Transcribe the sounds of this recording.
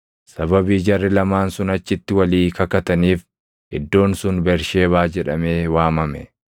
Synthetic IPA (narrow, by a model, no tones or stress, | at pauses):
sɐbɐbiːd͡ʒɐrːɪlɐmaːnsʊnɐt͡ʃːɪt̪ːɪwɐliːkɐkɐt̪ɐniːf | ʔɪd̪ːo̞ːnsʊnbɛɾʃe̞ːβaːd͡ʒɛᶑɐmeːwaːmɐmɛ